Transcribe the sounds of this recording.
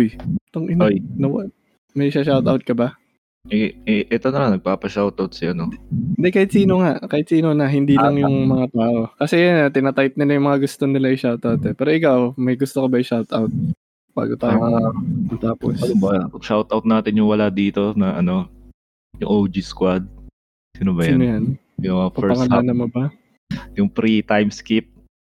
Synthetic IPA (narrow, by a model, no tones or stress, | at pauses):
ʔjt̪oŋʔɪnojnɐw | mɐjʃɐʃawt̪awt̪̚kɐba | ʔɛɛʔɛt̪onɐmaŋnɐɡ̚paːpɐʃawt̪awt̪̚sɪɐnoɪnd̪ɛkaːhɪt̪siːnoŋaʔkaːhɪt̪siːnonɐɦɪnd̪ilɐŋjʊŋmɐŋat̪aːʔo̞kɐsɛjnɐt̪ɪnat̪ajp̚nɪlɐjʊŋmɐŋaɡʊst̪o̞nɪlaɪʃawt̪ʔawt̪ɛpɛːɾoʔɪkawmɐjɡʊst̪okɐbaɪʃawt̪ʔawt̪̚ | b̥a̰ːɡot̪aat̪aːpo̰sɐobɐʃawt̪ʔawt̪̚naːt̪ɪnjʊŋwɐlad̪iːt̪o̞nɐʔɐno̞ | jʊŋʔowd͡ʒiskwad̪̚ | siːnobɐjaiːnojan | jʊɐafɐɛɹpɐŋɐlanɐmobɐ | jʊŋpɾit̪ajmskip̚